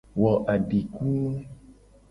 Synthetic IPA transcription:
wɔ˨ʔa˨ɖi˨ku˦

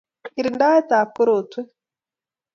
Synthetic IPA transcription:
i˨ɾi˨nda˦e˦taː˨ku˦ɾu˨twe˦

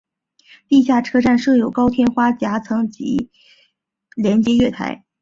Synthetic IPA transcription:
t̪i˥˧ɕ̬ja˥˩ʈ͡ʂʰɤ˥ʈ͡ʂa˥˧nʂɤ˥˩jo˨˩ʊkɑ˥ʊt̪ʰjɛ˥nxwa˥t͡ɕja˧˥t͡sʰɤ˧˥ŋt͡ɕḭ˧˥ | ljɛ˧˥nt͡ɕjɛ˧˥ɥɛ˥˩t̪ʰa̰˧˥ɪ

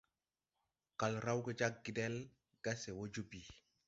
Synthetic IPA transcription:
ka˨lɾa˦wke˦d͡ʒa˦k̚ɡi˦dɛ˦l | ɡ̥a˦se˨wo˦d͡ʒu˦bi˨

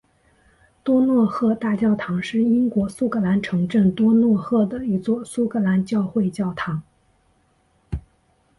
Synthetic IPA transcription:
t̪wɔ˥nwɔ˥˧xɤ˥˧t̪a˥˩˧t͡ɕjɑ˥˩ʊt̪ʰɑ˧˥ŋʂɻ̩˥˩i˥ŋkwɔ˧˥su˥kʰɤ˧˥la˧˥nʈ͡ʂʰɤ˧˥ŋʈ͡ʂə˥˩nt̪wɔ˥nwɔ˥˧xɤ˥˩d̪ə˩i˧˥t͡swɔ˥˩su˥kʰɤ˧˥la˧˥nt͡ɕjɑ˥˧ʊxwe˥˧ɪt͡ɕjɑ˥˩ʊt̪ʰɑ˧˥ŋ

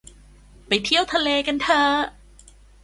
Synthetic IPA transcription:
pa˨˩jt̪ʰi˥˩əwt̪ʰa˧leː˧ka˧nt̪ʰɤː˧˩

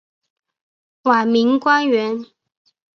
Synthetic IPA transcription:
wa˨˩mi˧˥ŋkwa˥nɥɛ˧˥n

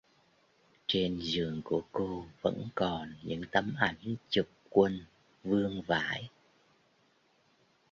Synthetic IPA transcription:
t͡ɕe˧nzɨ˨˩əŋku˧˩əko˧və̰˧˥nkɔ˨˩nɲɨ̰˧˥ŋt̪ə˧mʔa˧˩jŋ̟t͡ɕu˨˩k͡p̚kwə˧n | vɨ˧əŋvaː˧˥˦j

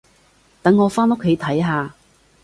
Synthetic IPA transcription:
t̪ɐ˨˥ŋːɔː˨˧faː˥no˥kʰːe˨˥jt̪ʰɐ˨˥jɦaː˨˧

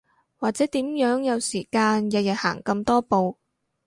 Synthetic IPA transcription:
waː˨k̚t͡sɛː˨˥t̪iː˨˥mjœː˨˥ŋjɐ˨˧wsiː˨˩kaː˧njɐ˨t̚jɐ˨˩ha̰ː˨˩ŋkɐ˧mt̪ɔː˥po˨˧w

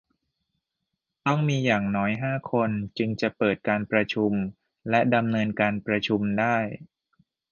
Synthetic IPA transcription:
t̪ɔ˥˩ŋmiː˧jaː˨˩ŋnɔː˦˥jɦaː˥˩kʰo˧nt͡ɕɯ˧ŋt͡ɕa˨˩pɤː˨˩t̪̚kaː˧npɾa˧t͡ɕʰu˧m | lɛ˦˥da˧mnɤː˧nkaː˧npɾa˧t͡ɕʰu˧mdaː˥˩j

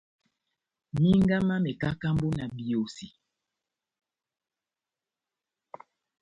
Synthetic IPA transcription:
mi˦ŋɡa˦ma˦me˨ka˦ka˦mbo˦na˨bi˨o˨si˨

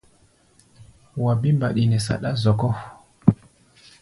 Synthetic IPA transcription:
wa˨bi˦mba˨ɗi˨nɛ˨sa̰˨ɗa˦zɔ˨kɔ˦

